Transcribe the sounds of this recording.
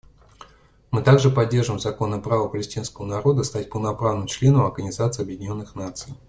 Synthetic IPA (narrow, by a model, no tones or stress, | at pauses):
mɨt̪aɡʐɨpɐdʲːe̞rʐɨvɪmzɐko̞nːəpɾavəpəlʲɪsʲtʲinskəvənɐɾo̞d̪əst̪atʲpəlˠnɐpɾavnɨmt͡ɕlʲe̞nəmɐrɡənʲɪzat̪sɨɐbjɪdʲɪnʲo̞nːɨxnat̪sɨj